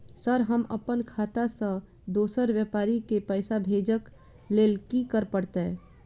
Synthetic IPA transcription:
səɾɦəmə̰pənkʰaːt̪asə̃ | d̪oːsəɾʋjəpaːɾikepəːɪsabʱeːd͡ʒək | leːlkikəɾpəɽt̪eɦɛ̃ː

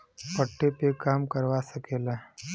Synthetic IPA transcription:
pəʈːepekaːmkəɾwasəkeːla

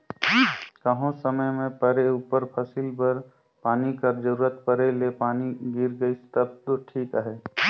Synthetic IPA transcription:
kəɦõsəməjmẽpəɾeupəɾpʰəsɪlbəɾ | paːnikəɾd͡ʒəɾuːɾət̪pəɾelepaːniɡiɾɡəist̪əb̚t̪oʈʰiːkəɦɛː

